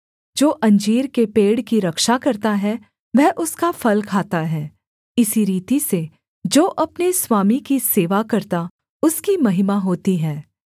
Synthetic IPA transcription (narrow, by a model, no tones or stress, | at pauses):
d͡ʒoːʔɐ̃ɲd͡ʒiːɾkepeːɽkiɾɐkʃakɐɾt̪aɦɛ | ʋɛɦʔʊskafɐlkʰaːt̪aɦɛː | ɪsiɾiːt̪ise | d͡ʒoːʔɐpneswaːmikiseːʋakɐɾt̪a | ʊskimɐɦɪmaɦoːt̪iɦɛ̃ː